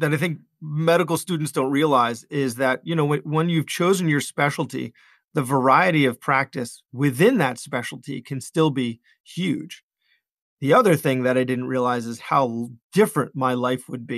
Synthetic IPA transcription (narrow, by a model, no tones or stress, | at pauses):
ðɨɾaɪθɪ̃ŋk̚ | mɛɾɨk̬l̩ˠstʉdⁿn̩tsd̥õʊ̃nt̚ʔɹiəlaɪzɪzðɨt̚jɨñoʊwwə̃njʉv̥t͡ʃʰoʊzɨ̃njə˞spɛʃl̩ˠtʰḭ | ðɨvə˞aɪɨɾiʌv̥pʰɹ̥æk̚tɨswɪθɪ̃nðɨtspɛʃl̩ˠtʰḭkʰɨ̃nstɪlˠbi | hjʉd̥ʒ̥ | ðiʌðə˞θɪ̃ŋðɨɾaɪdɪdⁿn̩t̚ʔɹiəlaɪzɨz̥haʊd̥ɪfɹɨ̃nmaɪlaɪfwəd̚bi